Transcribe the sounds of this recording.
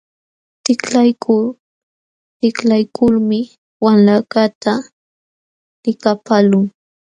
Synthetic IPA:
t̪ɪklajkʰʊ | t̪ɪklajkʰʊlmɪ | wamlakat̪a | lɪkapalʊŋ

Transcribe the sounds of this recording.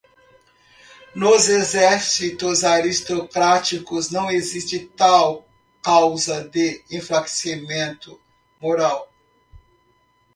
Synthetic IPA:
nʊzezɛɾsit̪ʊzaɾist̪okɾat͡ʃikʊznɐ̃w̃ezist͡ʃɪt̪aw | kawzɐd̪eĩflake̥simẽnt̪ʊ | moɾaw

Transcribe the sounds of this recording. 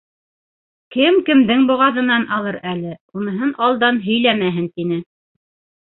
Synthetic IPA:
kɘmkɘ̆md̪ɘŋbŏʁɑðɤ̆nɑnʔɑlˠɤɾælɘunɤ̆ɦɤnɑlˠd̪ɑnɦɵ̆jlæmæɦɘnt̪inɘ

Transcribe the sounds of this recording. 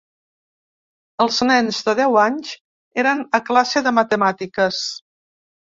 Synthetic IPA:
əlˠznɛnzðəð̞ɛwaɲz | eɾənəklasəðəmət̪əmat̪ikəs

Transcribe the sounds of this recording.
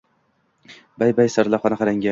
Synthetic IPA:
bajbajsaɾlˠaχɒnaχaɾaŋɡʲa

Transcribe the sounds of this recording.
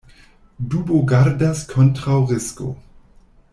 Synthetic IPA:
duːboɡaɾdaskʰɔntʁawʁɪsko̰

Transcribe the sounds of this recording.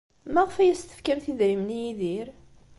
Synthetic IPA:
mæʁəfæjæst̪ə̥fkæmθiðɾimnijiðiɾ

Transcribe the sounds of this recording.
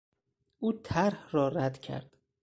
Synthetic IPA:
ʔuːt̪ʰæɾhrɒːræd̪cʰæ̰ɾd̪̥

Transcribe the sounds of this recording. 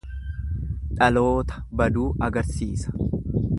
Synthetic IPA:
ᶑɐlo̞ːt̪ɐ̥bɐd̪uːɐɡɐɾsiːsɐ̥

